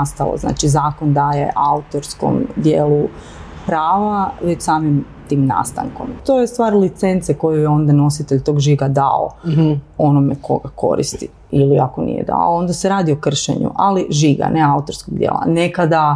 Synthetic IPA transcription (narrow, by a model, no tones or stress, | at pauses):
ast̪alo̰zna̰ːt͡ʃizaːkond̪aːjḛʔaut̪o̞ɾsko̞̰md̪jeːlˠu | pɾaːʋaʋet͡ɕsaːmim | t̪iːmna̰ːst̪a̰ŋko̞mt̪o̞ːjest̪ʋaːɾlit̪se̞nt̪seko̞jujeo̞nd̪ano̞sit̪eʎt̪o̞ːɡʒiɡad̪a̰o̰ | o̞nomekʰo̞̰ɡako̞̰ɾḭst̪i | iliako̞nḭjḛd̪a̰oo̞nd̪aseɾaːd̪io̞kr̩ʃḛɲṵʔaliʒiɡa̰neaut̪o̞ɾskoɡd̪jḛːlˠa̰ne̞kad̪a